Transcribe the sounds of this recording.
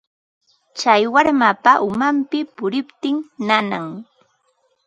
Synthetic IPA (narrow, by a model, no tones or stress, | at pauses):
t͡ʃajwaɾmapaʔʊmampɪpʊɾɪpt̪ɪŋnanaŋ